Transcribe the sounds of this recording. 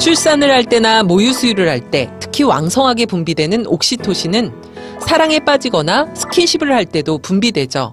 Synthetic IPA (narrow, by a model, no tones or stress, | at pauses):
t͡ɕʰuɭs͈anɯɭhaɭt͈e̞namojusʰuiɾɯɭhaɭt͈e̞̰tʰɯ̥kʰiwa̰ŋsʰʌŋɦaɡe̞pumbidwe̞nɯnok̚ɕ͈itʰoɕʰinɯn | sʰaɾaŋe̞p͈ad͡ʑiɡʌnasʰɯ̥kʰiɕʰibɯɭhaɭt͈e̞dopumbidwe̞d͡ʑʌ̰